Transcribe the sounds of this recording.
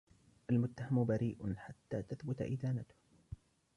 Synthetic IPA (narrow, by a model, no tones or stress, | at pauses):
ʔalmʊt̪ːahambaɾiːʔʊħat̪ːaːt̪aθbʊt̪a̰ʔɪ̰ðaːnat̪ʊ̥h